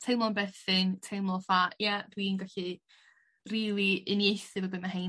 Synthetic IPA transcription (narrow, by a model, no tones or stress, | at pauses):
tʰejmlˠɔnbɛθɪntʰejmlˠɔfajadwinɡaɬi | riːlˠiɨnjejθɨvəbəmaɦej